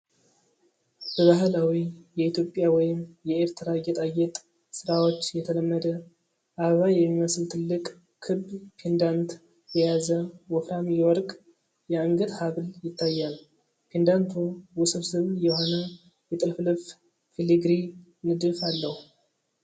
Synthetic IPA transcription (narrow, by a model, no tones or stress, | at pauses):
b̥əβaɦɨlawijɛit̪jo̞pʼjawɔjɪmjɛeɾt̪ʰɨɾajɛt̪ʼajːɛt̪ʼ | sɨɾawo̞t͡ʃːjɛt̪ʰələmːəd̪ə | ʔaβəβajɛmːiməslt̪ʰɨlːɨkʼ | kʰɨbpʰend̪ant̪ | jɛjazəwɔfɾamwɔɾkʼ | jɛəŋɡəd̪haβljɪt̪ːajːal | pʰend̪ant̪ʰuwʊsɨβsɨβjɛho̞nə | jɛt̪ʼɨlflɨf | filiɡɾi | nɨd̪ɨfalːəhu